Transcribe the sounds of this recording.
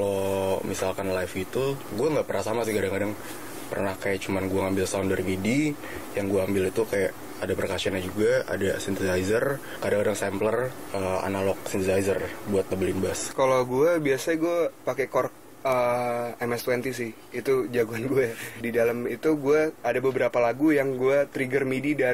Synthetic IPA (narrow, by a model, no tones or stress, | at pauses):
kalomisalkanlajfɡit̪uɡuaŋɡaʔpərnahsamas̬ɪhkadaŋkadaŋ | pə̰rnahkajaʔt͡ʃumanɡuaŋambɪlsandərmidi | jaŋɡuaambɪlit̪ukajaʔ | adapəɾekasiaɲad͡ʒuɡaa̰dasint̪əzaizər | kadaŋkadaŋsɛmplər | əa̰nalɔk̚sint̪əzajzərbuat̪̚abəlinbaskalawɡuabiasaɡuapakekɔrk̚ | əɛmɛst̪wɛnt̪isɪh | it̪ud͡ʒaɡuanɡuadidaləmit̪uɡuaadabəbəɾapalaɡujaŋɡuat̪ɾiɡərmidida